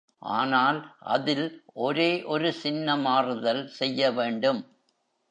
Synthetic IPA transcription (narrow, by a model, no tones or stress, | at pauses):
ʔa̰ːnaːlʔɐ̰ðɪlʔɔɾeːʔɔɾɯsɪnːɐmaːrɯðɐlsɛjːɐʋeːɳɖɯm